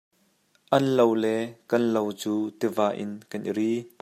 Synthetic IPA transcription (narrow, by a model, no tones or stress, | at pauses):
ʔɐnlowlɛkɐnlowt͡suːt̪ivaːʔɪnkɐnʔḭɾiː